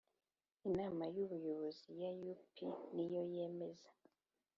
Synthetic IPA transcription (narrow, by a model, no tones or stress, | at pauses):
inaːmajuβujo̞βo̞zijajupʰinijo̞je̞me̞za